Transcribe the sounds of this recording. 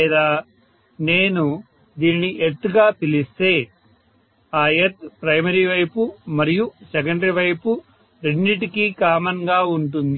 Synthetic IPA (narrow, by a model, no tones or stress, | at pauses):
ɛd̪aː | ne̞ːnu | d̪iːniniʔet̪ːuɡaːpilist̪e̞ː | aːjɐt̪pɾɐjmɐɾiːʋɐjpumɐɾijusɛkɐɳɖɾiʋɐjpu | ɾe̞ɳːiʈikikaːmɐŋɡaːuɳʈ̬und̪i